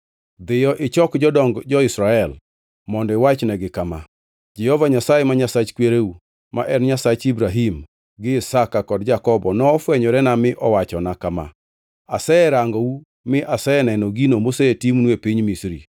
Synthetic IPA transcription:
d̪ɪjɔʔɪt͡ʃɔkd͡ʒɔdɔŋɡd͡ʒɔɪsɾaɛl | mɔndɔɪwat͡ʃnɛɡɪkama̰ | d͡ʒɛhɔvaɲasajemaɲasat͡ʃkweɾeu | ma̰ʔɛnɲasat͡ʃibɾaɦim | ɡɪɪsakakɔdd͡ʒakɔbɔnɔːfwɛɲɔɾɛnamɪʔɔwat͡ʃɔnakama̰ | a̰sɛɛɾaŋɡɔu | mɪʔasɛɛnɛnɔɡinomosetimnwepiɲmisɾḭ

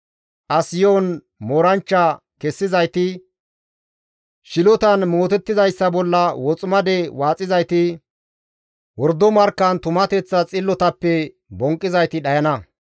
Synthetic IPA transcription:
ʔɐsɪjoːn | moːɾɐnt͡ʃːɐ | kɛsːɪzɐjt̪ɪ | ʃɪlɔt̪ɐnmoːt̪ɛt̪ːɪzɐjsːɐbɔlːɐwɔt͡sʼʊmɐd̪ɛwaːt͡sʼːɪzɐjt̪ɪ | wɔɾd̪ɔmɐɾkːɐnt̪ʊmɐt̪ɛt͡sːɐt͡sʼɪlːɔt̪ɐpːɛ | bɔŋkʼːɪzɐjt̪ɪɗɐjɐnɐ

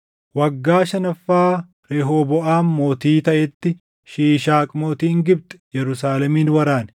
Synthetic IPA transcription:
wɐɡːaːʃɐnɐfːaː | ɾɛɦoːbɔʔaːmmo̞ːt̪iːt̪ɐʔɛt̪ːɪ | ʃiːʃaːkʼmoːt̪iːŋɡɪb̚t̪ɛ̥jɛɾʊsaːlɛmiːnwɐɾaːn

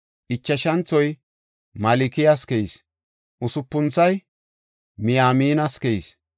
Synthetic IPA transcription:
ʔɪt͡ʃːɐʃɐnt͡sːɔj | mɐlɪkɪjɐskɛis | ʔʊsʊpːʊnt͡sːɐj | mɪjaːmiːnɐskɛis

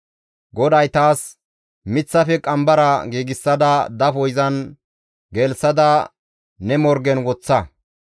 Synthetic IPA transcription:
ɡɔd̪ɐjt̪aːs | mɪt͡sːɐfɛkʼɐmbɐɾɐɡiːɡɪsːɐd̪ɐd̪ɐfɔjzɐn | ɡɛlsɐd̪ɐ | nɛmɔɾɡɛnwɔt͡sːɐ

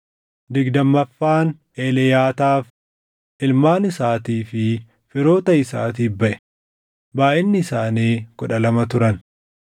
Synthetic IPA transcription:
d̪ɪɡd̪ɐmːɐfːaːn | eːlɛjaːt̪aːf | ʔɪlmaːnɪsaːt̪iːfɪ | fɪɾo̞ːt̪ɐɪsa̰ːt̪̬iːfbɐʔɛ̥ | baːʔɪnːɪːsaːniːkɔᶑɐlɐmɐt̪ʊɾɐn

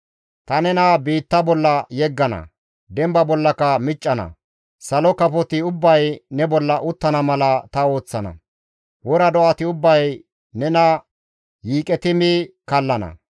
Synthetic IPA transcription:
t̪ɐnɛnɐbiːt̪ːɐbɔlːɐjɛɡːɐnɐ̰ | d̪ɛmbɐbɔlːɐkɐmɪt͡ʃʼːɐnɐ̰ | sɐlɔkɐpɔt̪ɪʊbːɐjnɛbɔlːɐʔʊt̪ːɐnɐmɐlɐt̪ɐo̞ːt͡sːɐnɐ̰ | wɔɾɐd̪ɔʔɐt̪ɪʊbːɐj | nɛnɐ | jiːkʼɛt̪ɪmɪkɐlːɐnɐ̰

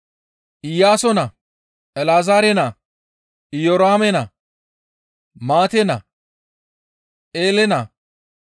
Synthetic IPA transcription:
ʔɪjaːsɔnɐ | ɛlaːzaːɾɛnɐ | ɪjɔɾaːmɛnɐ | maːt̪ɛnɐ | ʔeːlɛnɐ

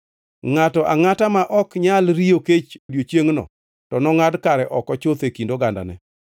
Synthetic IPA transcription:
ŋatɔʔaŋatamaʔɔkɲalɾioket͡ʃodjot͡ʃjeŋnɔ̰ | tɔnɔŋadkaɾɛʔɔkɔt͡ʃot̪ekindoɡanda̰nɛ̰

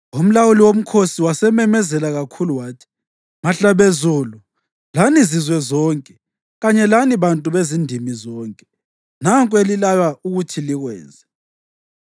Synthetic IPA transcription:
um̩lawuliwom̩kʰosiwasɛmɛmɛzɛlaɣakʰuluwaːtʰi̥ | maɬaβezuːlu | lanizizwɛzɔːŋkʼɛ | ɣaɲɛlaniβantʼuβezindʱimizɔːŋkʼɛ | naŋkʼwelilalauɣutʰiliɣwɛːnzɛ

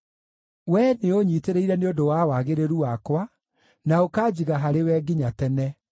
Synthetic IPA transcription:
wɛneoɲiteɾeiɾɛneodowawaɣeɾeɾuwakwa | naokaːd͡ʑiɣaɦaɾewɛːɡiɲatɛnɛ

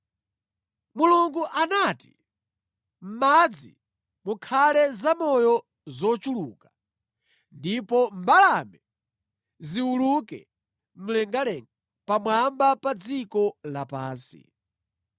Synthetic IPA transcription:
muluŋɡuʔanati̥ | m̩mad͡zi | mukʰalɛzamɔjɔ | zɔt͡ʃuluːka | ndipɔmbalamɛ | ziwulukɛ̰ | m̩lɛŋɡalɛŋɡa | pamwambapad͡zikɔlapaːnsḭ

